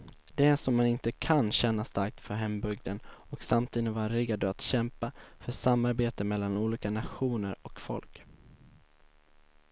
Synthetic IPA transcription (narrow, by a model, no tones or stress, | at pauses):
d̪̥ɛæʂɔmːanɪnt̪əkʰanɕɛnːast̪aɾk̚t̪fœɾɦɛmbɵɡ̚d̪ənɔksamt̪ʰiːd̪əvaɾɪɡad̪əat̪ɕɛmpafœʂamːaɾbeːt̪əmɛlːanuːliːkanaɧuːnəɾɔkfɔ̰lk